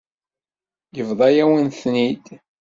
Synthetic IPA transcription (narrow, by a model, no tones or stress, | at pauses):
jəvðˤɑjæwənθnid̪